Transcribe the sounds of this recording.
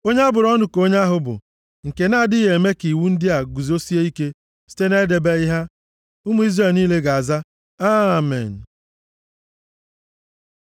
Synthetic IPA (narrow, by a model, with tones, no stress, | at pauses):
o˦ɲe˦a˦bʊ˨ɾɔ˦nʊ˨ko˦ɲa˦ɦʊ˨bʊ̰˨ | ŋ̩˨ke˨na˦˨dɪi˦ɦe˨e˨me˦ki˨wu˦n̩˦dɪ˦a˨ɡu˨zo˦si˦e˦i˦ke˦ | si̥˦te˦ne˦e˦de˨be˦ɪ˦ɦa˦ | ʊ˦mu˨˦i˦zre˦˨lniː˦le˦ɡa˨a˨za˦ | a˦˨mɛ̰˨n̩˨